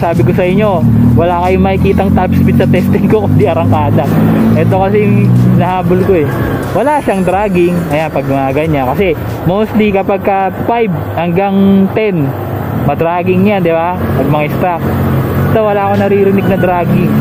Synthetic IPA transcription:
saːbɪkosɐʔɪɲːo̞ | wɐlaːkɐjʊŋmɐkɪkiːt̪ɐŋt̪apspit̪sɐt̪ɛst̪ɪŋkokʊnd̪iʔɐɾɐŋkaːd̪ɐʔɛt̪o̞kɐsɛjʊŋnɐhaːbolkoɛwɐlaʃaŋd̪ɾaːɡɪŋʔɐjanpɐɡ̚mɐɐɡɐɲakɐsɛ | mowst̪likɐpaɡ̚kɐfajb | hɐŋɡaŋt̪ɛn | mɐd̪ɾaːɡɪŋɲand̪ɪbapɐɡ̚mɐŋɪst̪ɾak̚ʔɛt̪owɐlaːkonɐɾiːɾɪnɪɡ̚nɐd̪ɾaːɡɪŋ

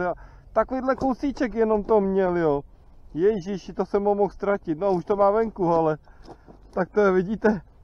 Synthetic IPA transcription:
a | t̪akoviːdlɛkowsit͡ʃɛk̬jɛno̞mt̪omɲɛljo | jɛʒɪʃt̪osɛmːomoxst̪ɾacɪt̪̚nouʃt̪omaːvɛŋkualɛ | t̪ak̚t̪oɛvɪɟiːt̪ɛ

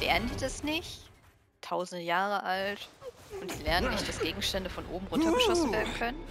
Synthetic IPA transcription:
lɛ̰ɐnəndidasnɪç | tʰaʊzn̩dəjaːʁəʔaltʔʊntilɛɐnənɪçt̚d̥asɡ̥eːɡŋ̩ʃtɛndəfɔnʔo̰ːbm̩ʁʊntʰɐɡəʃɔsn̩veːɐdn̩kʰœnən

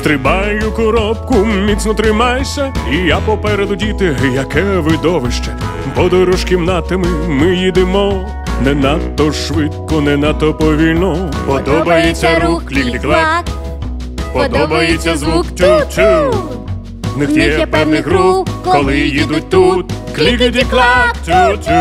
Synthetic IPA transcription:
st̪ɾɪbajʊkɔɾɔp̚kʊmʲit̪snɔt̪ɾɪmajsʲɐijapɔpɛɾɛd̪ʊdʲit̪ɪjɐkɛʋɪd̪ɔʋɪʃt͡ʃɛ̥ | bɔd̪ɔjɾɔʃkʲɪmnat̪ːemɪmɪjid̪ɪmɔ | nɛnɐt̪ːɔʃʋɪt̪̚kɔnɛnɐt̪ːɔpɔʋʲilʲnɔpɔd̪ɔbɐjet͡sʲːɐɾuklʲikdʲiklˠɛ | pɔd̪ɔbɐjet͡sʲːɐzʋuktʲut͡ʃ | nɪxʲipɛwnɪɦɾupkɔlˠɪjid̪ʊt̚ʲt̪ut̪klʲikd̪ʲiklˠɛ

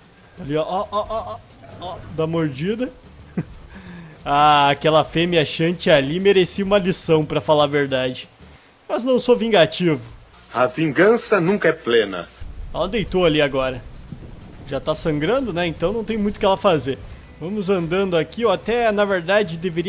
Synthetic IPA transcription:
aliɔʔɔʔɔʔ | ɔd̪ɐmoɾd͡ʒid̪ɐ | aːkɛlɐfẽmɪaʃɐ̃nt͡ʃɪalimeɾesiũmɐlisɐ̃w̃pɾɐfalaveɾd̪ad͡ʒɪ | mɐznɐ̃w̃sovĩɡat͡ʃivʊ | ɐvĩɡɐ̃sɐnũŋkɐɛplẽnɐ̰ɛlɐd̪ejt̪oaliaɡɔɾɐ | ʒat̪asɐ̃ŋɡɾɐ̃nd̪ʊnɛẽnt̪ɐ̃w̃nɐ̃w̃t̪ẽj̃mũjt̪ʊkɪɛlɐfazeɾ | vɐ̃mʊzɐ̃nd̪ɐ̃nd̪ʊakioat̪ɛnɐveɾd̪ad͡ʒɪd̪eveɾi

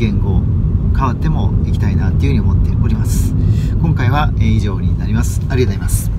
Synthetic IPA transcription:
ɡẽ̞ŋɡo̞kaβat̪ːe̞mo̞ikʲi̥t̪ainat̪ːeiɯɯ̟ɲio̞mo̞t̪ːe̞o̞ɾʲimasɨ̥kõ̞ŋkaiβ̞aeiʑo̞ːɲ̟inaɾʲimasɨ̥aɾizaimasɨ̥

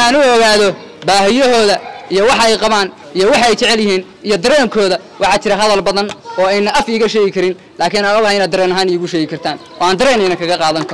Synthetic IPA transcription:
aːnʊɔɣaːðɔ | baːɦɪjɔɦɔːðɐijɔwɑħɑɛjqɑβaːn | ijɔwɑħɑɛjt͡ʃɛʕɛljɪɦiːn | ijɔd̪ɐɾɛːŋkʰɔːðɐ | wʔɑħɑːt͡ʃɪɾɐɦɐðɐlbɐðɐnɔːɛjnːɐʔɐfiːɣɐʃɛːɣɪkʰɐɾɪn | laːkʰɪːnaɔɣaɪnaːd̪ɐɾɛːnɐɦaːnɪjʊɣʊʃɛːɣɪkʰɐrt̪ʰaːnʔɔ̰ːaːnd̪ɐɾɛːnɪnɐkʰɐɣɐqɑːðɐŋkʰɐɾɔ

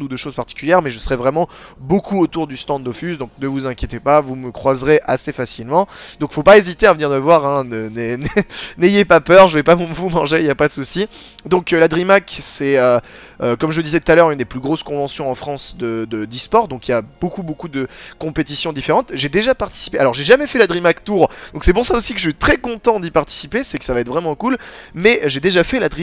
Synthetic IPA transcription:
ud̪əʃozpaʁt̪i̥kʲyljɛʁmɛʒəsəʁɛvʁɛmɑ̃ | bokuot̪uʁd̪yst̪ɑ̃d̪d̪ofysd̪ɔ̃k̚nəvuzɛ̃kʲjet̪epavuməkχwazʁeʔasefasilmɑ̃d̪ɔ̃kfopaezit̪eavəniʁnəvwaʁɛ̃nənɛnnejepapœʁʒəvɛpamvumɑ̃ʒeiljapad̪əsusi | d̪ɔ̃klad̪ʁimaksɛø | økɔmʒəd̪izɛt̪u̥t̪alœʁynd̪eplyɡʁoskɔ̃vɑ̃sjɔ̃ɑ̃fχɑ̃sd̪əd̪əd̪ispɔʁd̪ɔ̃kiljab̥okubokud̪əkɔ̃pet̪isjɔ̃d̪ifeʁɑ̃t̪ʒed̪eʒapaʁt̪i̥si̥pealɔʁʒeʒamɛfɛlad̪ʁimakt̪uʁd̪̥ɔ̃ksɛpuʁsaosikəʒəɛt̪χɛkɔ̃t̪ɑ̃d̪ipaʁt̪i̥sipesɛkə̥savaɛt̪ʰvʁɛmɑ̃kulmɛʒed̪eʒafɛlad̪ʁi

